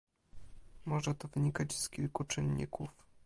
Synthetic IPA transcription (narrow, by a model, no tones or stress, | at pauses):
mɔʐɛt̪ɔvɘɲikat͡ɕskʲilkut͡ʂɘnːḭkuf